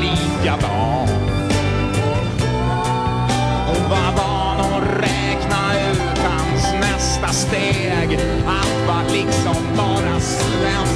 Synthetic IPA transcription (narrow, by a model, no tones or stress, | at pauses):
liːkad̪ɑː | ɔvava | nɔ | ɾɛːkna | ʉ̟ːt̪hansnɛst̪ast̪eː | ɡ | at̪valɪksɔmbɑːɾas | ɛ